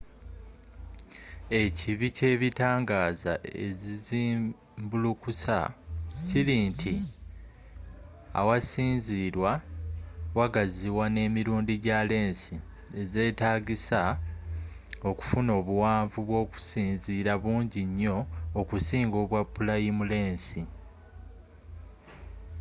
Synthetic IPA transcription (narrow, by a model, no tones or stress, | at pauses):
e̞ciβice̞ːβitaːŋɡaːza̰ḛziziː | mbulukusacilintʰi | a̰wasiːnziːɾwa | waɡaziwane̞ːmiɾuːndiɟale̞ːnsi | e̞ze̞ːtaːɡisa | o̞ku̥funo̞ːβuwaːɱvuβwo̞ːku̥siːnziːɾaβuːɲɟiɲːo̞ːkusiːŋɡo̞ːβwapːulajimule̞ːnsi